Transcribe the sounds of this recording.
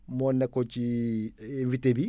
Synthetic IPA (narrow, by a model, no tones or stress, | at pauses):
mɔnːɛkot͡ʃi | ɱvitebi